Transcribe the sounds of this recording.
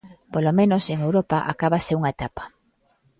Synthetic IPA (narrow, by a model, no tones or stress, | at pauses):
polomẽnoseŋewɾopaʔa̰kaβaseuŋaet̪apḁ